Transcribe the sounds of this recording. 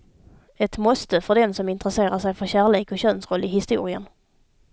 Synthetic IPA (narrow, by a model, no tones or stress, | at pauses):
ɛt̪mɔst̪əfœɖɛnsɔmɪnt̪ɾəseːɾaʂɛjfœɾɕæːɭeːkɔɕœnsɾɔlːɪɦɪst̪ṵːɾɪə̰n